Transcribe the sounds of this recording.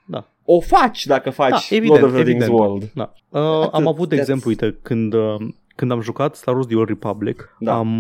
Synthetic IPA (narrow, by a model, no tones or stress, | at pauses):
d̪a̰ | ofat͡ʃʲd̪akəfad̪t͡ʃaevioeoved̪ĩŋezwəld̪d̪a̰ | əamavut̪e̞ɡze̞mpluujt̪əkɨnd̪ə | kɨnd̪amʒukat̪st̪aɾosd̪ioripablikd̪am